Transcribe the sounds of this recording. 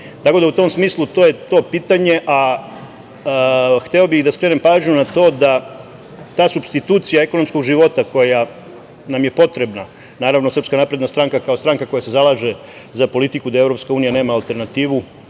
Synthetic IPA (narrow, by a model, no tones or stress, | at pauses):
t̪ako̞d̪aut̪o̞msmiːslˠut̪o̞ːje̞t̪o̞ːpiːt̪aɲe̞ʔa | xt̪eobixd̪askɾe̞ːne̞mpaːʒɲunat̪o̞ːd̪a | t̪aːsubst̪it̪uːt̪sijaeko̞nomsko̞ɡʒiʋo̞t̪ako̞ja | namje̞po̞t̪ɾe̞bna | naːɾaʋno̞sɾr̩pskanaːpɾed̪nast̪ɾaŋkakaost̪ɾaŋkako̞jase̞zalaːʒe̞ | zapo̞lit̪ikud̪aevɾo̞pskauːnijane̞ːmaːlˠt̪e̞ɾnat̪iːʋu